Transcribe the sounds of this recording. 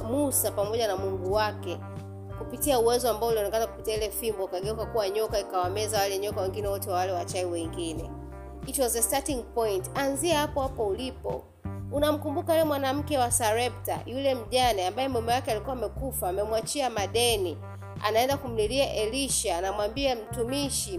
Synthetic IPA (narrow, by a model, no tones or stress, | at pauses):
musapamɔʄanamuŋɡuwakɛ | kupitiauwɛzɔambaɔuliɔnɛkanakupitiailɛfimbɔukaɠɛukakuwaɲɔkaikawamɛzawalɛɲɔkawɛŋɡinɛwɔtɛwawalɛwat͡ʃaiwɛŋɡinɛ̰ | kit͡ʃwɔzɛstatiŋpɔjntanziɛhapɔhapɔulipɔ̰ | unam̩kumbukaɛɛmwanam̩kɛwasaɾɛp̚ta̰julɛm̩ʄanɛambajɛmɛmɛwakɛalikuwaːmɛkufaːmɛmwat͡ʃiamaɗɛni | a̰naɛndakum̩liliaʔɛliʃaːnamwambiam̩tumiʃi